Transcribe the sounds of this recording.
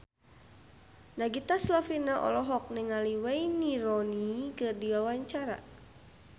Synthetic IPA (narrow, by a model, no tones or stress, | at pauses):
naɡit̪aslafinaʔɔ̰lɔɦɔk̚nɛŋaliwɛiniɾɔnikɨrdiwawaɲt͡ʃaɾa̰